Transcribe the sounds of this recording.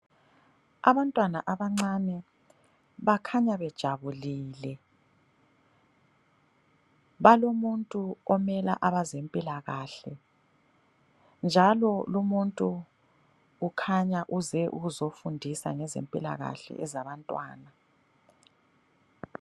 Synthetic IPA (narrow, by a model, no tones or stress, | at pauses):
a̰βantʼwanaʔaβaŋ͡ǀanɛ | βakʰaɲaβɛd̥ʒ̥ʱaβuliːlɛ | βalomuntʼuɔmɛlaʔaβazempʼilaɣaɬɛ | nd͡ʒʱalɔlumuntʼu | kʰaɲaʔuzɛʔṵɣuzofundʱisa̰ŋɛzḛmpʼila̰ɣa̰ɬɛ̰ɛzaβantʼwa̰ːna